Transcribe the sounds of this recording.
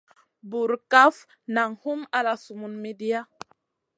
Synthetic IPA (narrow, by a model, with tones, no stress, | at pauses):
bu˨ɾka˦f | na˨ŋhu˦ma˦la˨su˨mu˨nme˦di˦ja˦